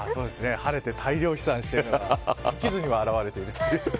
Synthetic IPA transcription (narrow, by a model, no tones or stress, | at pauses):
aːso̞ːd̪e̞sɨne̞haɾe̞t̪e̞t̪ʰaiɾʲo̞ːçi̥sãɰ̃ɕi̥t̪eɾnoɡaikʲizɨɲ̟iβaːɾaβaɾe̞t̪e̞iɾɯ̟t̪ojɯ̟ː